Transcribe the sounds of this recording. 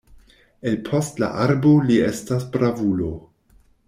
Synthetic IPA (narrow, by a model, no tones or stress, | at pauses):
e̞lpʰo̞stla̰ʔaɾboliestasbɾavulo̞